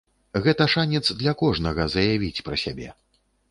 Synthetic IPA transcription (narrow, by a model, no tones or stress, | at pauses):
ɣɛt̪ɐʂanʲɛt̪zd̪lʲɐkɔʐnɐɣɐzɐjavʲit͡sʲpɾɐsʲabʲɛ̰